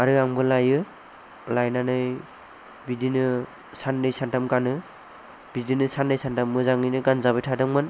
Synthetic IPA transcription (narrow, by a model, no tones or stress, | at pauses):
aɾɯaŋbɯlajɯ | lajnanɯj | bidinɯ | sanːɯjsantamɡanɯ | b̥idinɯsanːɯjsantamːɯzaŋɯjnɯɡanzabɯjtʰadɯŋmɯn